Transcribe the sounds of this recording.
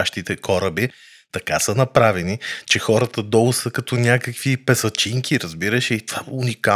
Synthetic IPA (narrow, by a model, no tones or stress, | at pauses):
aʃt̪it̪ɛkɔɾəbi | t̪ɐkasənɐpɾavɛnit͡ʃɛxɔɾət̪əd̪ɔɡʊsəkɐt̪ɔnʲakəkvipɛsɐt͡ʃiŋkʰʲiɾɐzbiɾəʃɛit̪o̥v̥aunika